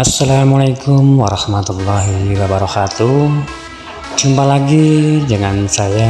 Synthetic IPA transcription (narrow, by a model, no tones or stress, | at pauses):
asːalamalajkumwaɾɑhmat̪ulːɔɦiwabaɾɔkat̪u | d͡ʒumpalaɡid͡ʒəŋansaja